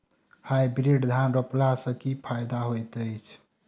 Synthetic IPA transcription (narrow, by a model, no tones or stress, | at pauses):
hajbɾiɖd̪ʱanɾəplasə̃kipʰajd̪aɦojt̪əjt͡ʃʰ